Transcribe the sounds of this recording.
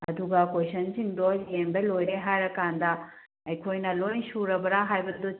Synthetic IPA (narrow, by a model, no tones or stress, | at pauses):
ɐd̪uɡɐkwosɐnsind̪ɔzijenb̪ɐlojɾeɦaɾɐkand̪a | ɐjkʰojnɐlojnsuɾɐbɐɾaɦajbɐd̪o